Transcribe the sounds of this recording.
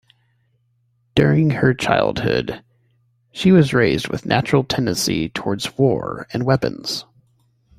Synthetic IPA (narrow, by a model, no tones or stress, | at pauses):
d̥ʊɹɪ̃ŋə˞t͡ʃʰa̰ɪlˠd̥̚hʊ̰d̥ | ʃiwʌzɹeɪzd̚wɨ̰ðnʔæ̰t͡ʃɹl̩ˠtʰɛ̃ndɨ̃nsḭtʰɔɹdzwɔ̰ɹɨ̃nwɛpɨ̰̃nz̥